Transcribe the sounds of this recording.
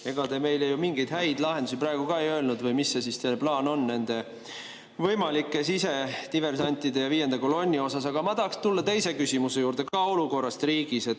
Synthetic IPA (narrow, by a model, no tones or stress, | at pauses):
e̞ɡ̥ɑt̪e̞me̞jlejumiŋɡ̥ejd̪ɦæjd̪lɑɦend̪̥us̬iprɑˑeɡ̥ukɑejø̞ːlnud̪vɤjmisːesist̪elplɑːno̞nːe̞nd̪̥e̞ | vɤjmɑlikːˑe̞sise̞t̪ive̞rsɑnʲt̪ːˑid̪e̞jɑviːje̞nd̪eko̞lo̞nʲːio̞sɑs̬ɑɡ̥ɑmɑtd̪ɑːkst̪ulːɑt̪e̞jse̞kysimuse̞juːɾrd̪̥e̞kɑo̞luko̞rːɑst̪riːɡ̥ise̞t̪